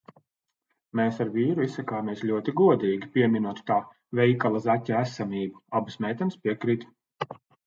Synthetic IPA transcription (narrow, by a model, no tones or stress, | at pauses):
meːsaɾviːɾuisːakaːmʲiɛsʎʲuɔt̪iɡuɔd̪iːɡʲipʲiɛmʲinuɔt̪t̪aː | vʲɛjkalˠazacʲːaæsamʲiːbuabsmʲɛjt̪ɛnspʲiɛkɾit̪